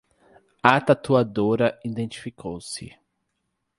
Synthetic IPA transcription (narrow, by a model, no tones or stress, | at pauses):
at̪at̪uad̪oɾɐĩd̪ẽnt͡ʃi̥fikʰowsɪ̰